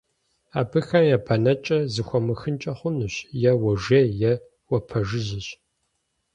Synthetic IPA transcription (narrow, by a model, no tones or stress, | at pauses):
aːbɨxɐmjapʰɐnɐt͡ʃʼɐzɨxʷɔmɨxɨnt͡ʃʼɐχʷʊnuɕjɛwɐʒeːjɛ | wɐpʰɐʒɪʑɪɕ